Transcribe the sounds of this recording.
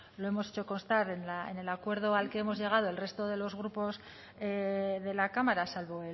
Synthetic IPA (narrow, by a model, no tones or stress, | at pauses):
lo̞e̞mo̞se̞t͡ʃo̞ko̞nst̪aɾe̞nlaḛne̞lakwe̞ɾð̞o̞alke̞emo̞zʝe̞ɣ̞að̞o̞e̞lre̞st̪o̞ðe̞lo̞zɣɾupo̞s | eðe̞lakamaɾasalβo̞e